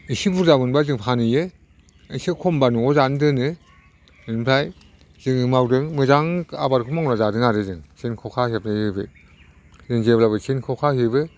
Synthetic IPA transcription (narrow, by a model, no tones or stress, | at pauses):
isibuɾzabɯnbazɯŋpʰanɯje | isikʰɔmbanuɔzandɯnɯ | ɯnmpʰlaj | z̥ɯŋɯmawdɯŋmɯzaŋa̰baɾkʰumaŋwnazadɯŋaɾɯzɯŋt͡ʃʰenkʰɔkʰahep̚najɯbɯ̰ | zɯŋzeblabɯt͡ʃʰinkʰɔkʰahɯbɯ